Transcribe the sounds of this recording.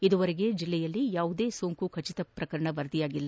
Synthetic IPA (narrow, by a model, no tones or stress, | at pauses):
id̪uʋɐɾeɡe̞d͡ʒilːɛjɐlːijaːʋud̪e̞ːsoːŋkukʰɐt͡ʃit̪ɐpɾɐkɐɾɐɳɐʋɐɾd̪ijaːɡilːɐ